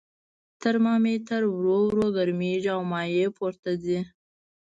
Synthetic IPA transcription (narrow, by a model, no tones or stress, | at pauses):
t̪əɾmɑmet̪aɾwɾowɾoɡaɾmiʒawmɑjepʰoɾt̪ad̪i